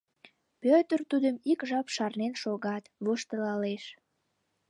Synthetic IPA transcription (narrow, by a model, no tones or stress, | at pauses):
pøt̪ərt̪ud̪əmikʒɑpʃɑrnenʃoɣɑt̪βoʃt̪əlɑleʃ